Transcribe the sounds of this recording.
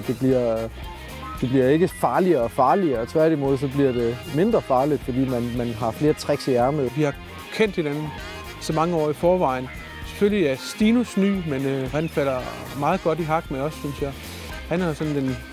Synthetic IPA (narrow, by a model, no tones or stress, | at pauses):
d̥e̝b̥liɐ̰ | d̥e̝b̥liɐe̝ɡ̥əfɑ̈ːliɐɒ̽fɑ̈ːliɐɒ̽t͡sʰʋæɐd̥imɔ̽ð̞ˠs̬ɒ̽b̥liɐd̥e̝me̝nd̥ʁɐfɑ̈ːlid̥fɒ̽d̥ḭːmænmænɦɑ̈fle̝ːɐt͡sʰʁaɡ̥siæɐməʋihɑ̈ | kʰen̰d̥henænn̩ | sɒ̽mɑ̈ŋəɒ̰ːifɒːʋɑ̈ɪn | se̥føliæɐsd̥iːnusny̰ːmenøhænfælɐ | mɑ̈ːð̞̩ˠɡ̥ɒ̽d̥iɦɑ̈ɡ̥menɒ̽sːynsjɑ̈ɪ | hænhæ̈sɒ̽nd̥en